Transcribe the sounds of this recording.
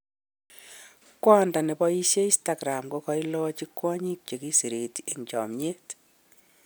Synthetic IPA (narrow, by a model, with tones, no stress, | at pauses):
kwɔ˦nda˨ne˨bɔ˦i˦ʃje˦i˦sta˨ɡɾa˨mko˦kɔ˨˦i˦lɔ˦t͡ʃi˦kwɔ˦ɲi˦k̚t͡ʃe˨ki˦si˨ɾe˨ti˨ɲt͡ʃɔ̰˨mɲe˦t